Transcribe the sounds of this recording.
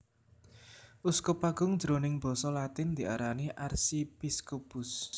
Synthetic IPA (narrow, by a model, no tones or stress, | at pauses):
ʔuskupaɡ̥ʊŋd̥d͡ʒ̥ɾonɪŋb̥ɔ̤sɔlat̪ɪnd̪̥i̤ʔa̰ɾaniʔarsipiskopʊs